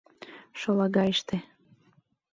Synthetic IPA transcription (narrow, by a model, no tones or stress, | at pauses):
ʃolˠɑɣɑeʃt̪e